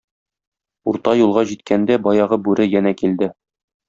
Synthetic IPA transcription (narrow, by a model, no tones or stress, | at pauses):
uɾt̪ɑjulˠʁɑʑit̪̚kʰænd̪æbɒjɑʁɤbʉɾɘjænækild̪ɘ